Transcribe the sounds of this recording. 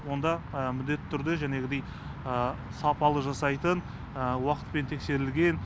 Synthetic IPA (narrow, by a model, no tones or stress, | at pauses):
wo̞nd̪ɑəmʏd̪e̞t̪ːɪt̪ʰːʏɾd̪ɪʒæne̞ɡʲɪd̪e̞j | əsɑpɑlˠəʒɑsɑjt̪ən | əwɑqə̥t̪̚pe̞nt̪ʰe̞kse̞ɾɪlɡʲe̞n